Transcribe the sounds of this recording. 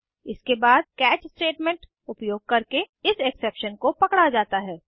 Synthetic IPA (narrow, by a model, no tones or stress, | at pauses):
ɪskebaːd̪̚kɛːt͡ʃsʈeːʈmẽɳʈ | ʊpjoːɡ̚kɐɾke | ɪseksepʃənkopɐkɽad͡ʒaːt̪aɦɛː